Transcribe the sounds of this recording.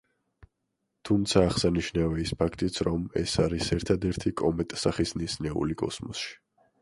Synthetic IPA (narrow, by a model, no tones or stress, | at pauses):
t̪ʰumt̪sʰaːχsaniʃnavɛispʰakʰt̪ʼit̪sʰɾɔmɛ̰saɾisɛɾt̪ʰad̪ɛɾt̪ʰikʼɔmɛt̪ʼsaχisnisnɛṵlikʼɔ̰smɔsʃi̥